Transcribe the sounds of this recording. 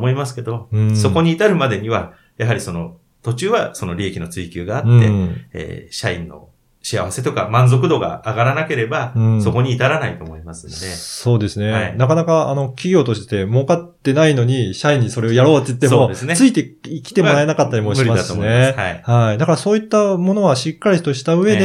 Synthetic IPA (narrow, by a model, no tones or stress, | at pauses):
moimasɨ̥ke̞d̪o̞ɯ̃so̞ko̞ɲ̟iːt̪aɾɯ̟mad̪e̞ɲ̟iβa | jaɦaɾʲiso̞no̞ | t̪o̞t͡ɕɨːβaso̞no̞ɾʲiekʲino̞t͡sɨikʲɨːɡaːtɯ̃ːe̞̰ḛːɕaḭ̃nːo̞̰ | ɕiaβase̞t̪o̞kamãnzo̞kɯ̟d̪o̞ɡa̰ːɡaɾanake̞ɾe̞baɯ̃so̞ko̞ɲ̟iːt̪aɾanait̪o̞ːmo̞imasɨnod̪e̞so̞ːd̪e̞sɨne̞ainakanakaano̞kʲiɡʲo̞ːt̪o̞ɕit̪e̥t̪e̞moːkat̪ːe̞naino̞ɲ̟iɕaĩɲ̟ːiso̞ɾe̞o̞jaɾo̞ːt̪ːeit̪ːe̞moo̞d̪esɨnet͡sɨit̪e̞ikʲi̥t̪e̞moɾaenakat̪ːaɾʲimomiimaoneaihaid̪akaɾaso̞ːit̪ːamo̞no̞βaɕikːaɾʲit̪o̞ɕi̥t̪aɯ̟βe̞d̪e